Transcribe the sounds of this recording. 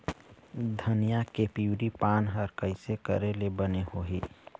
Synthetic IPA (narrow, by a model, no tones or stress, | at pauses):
d̪ʱənijakepiwɾipaːnɦəɾkəɪsekə̰ɾelebənehoɦiː